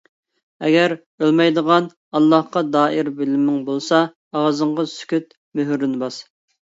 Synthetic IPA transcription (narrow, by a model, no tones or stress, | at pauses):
ɛ̰ɡʲɛɾ | ølmɛjd̪əʁɑn | ɑlˠːɑhqɑd̪ɑːɪɾbɪlɪmːɪŋbolˠsɑː | ʁɑzəŋʁɑsy̥kʲyt̪̚ | møɦyɾɪnbɑs